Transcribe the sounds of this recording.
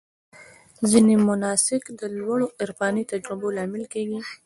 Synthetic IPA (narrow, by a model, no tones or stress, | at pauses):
zinemʊnɑsɪkd̪əlwaɽoʔɪɾfɑnit̪ad͡ʒɾɪbolɑmɪlkeɡi